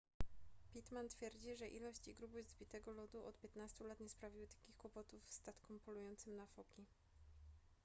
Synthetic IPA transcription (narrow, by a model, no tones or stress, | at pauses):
pʲit̪mant̪fʲjɛɾd͡ʑiʐɛʔilɔɕt͡ɕiɡɾubɨzzbʲit̪ɛɡɔlɔd̪uʔɔt̪pʲjɛt̪nast̪ulat̪ɲɛspɾavʲiwɘt̪ḁkʲixkwɔpɔt̪ufst̪at̪kɔmpɔlujɔnt̪sɘmnafɔkʲi